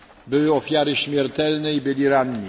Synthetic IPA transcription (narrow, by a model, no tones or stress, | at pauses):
bɘwɘɔfʲjaɾɘɕmʲjɛɾt̪ɛlnɛibɘlʲiɾanɲi